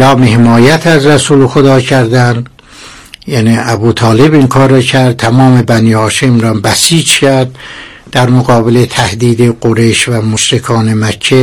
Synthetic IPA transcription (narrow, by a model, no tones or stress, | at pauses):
ɒːmehemɒːjæt̪ʰæzɾæsuːlexod̪ɒːcʰæɾd̪æn | jæniːæbuːt̪ʰɒːle̞biŋkʰɒːɾɒcʰæɾd̪̚t̪ʰæmɒːme̞bæniːhɒːʃemɾæmbæsiːd͡ʒcʰæɾd̪̚ | d̪æɾmoɣɒːbelet̪ʰæhd̪iːd̪eɡoɾejʃvæmoʃɾekʰɒːnemæcʰːe